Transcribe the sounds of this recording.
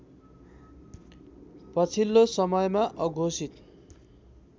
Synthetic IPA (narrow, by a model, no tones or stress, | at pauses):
pʌt͡sʰilːosʌmʌjmaʔʌɡʱosit̪